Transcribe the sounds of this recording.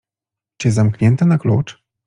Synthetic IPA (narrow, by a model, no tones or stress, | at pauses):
t͡ɕɛzamkɲɛnt̪ɛnaklut͡ʂ